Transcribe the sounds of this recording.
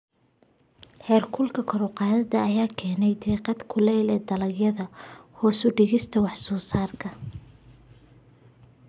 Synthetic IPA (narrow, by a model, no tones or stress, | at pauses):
ħɛːrkʰʊlkʰɐkʰɔɾʊqɑːðɐd̪ɐɐjaːkʰɛːnɛjd̪ɛːqɑd̪kʰʊlɛjlɛːd̪ɐlɐɡjɐðɐhɔːsʊɖɪɣɪst̪ʰɐwɑħsɔːsaːrkʰɐ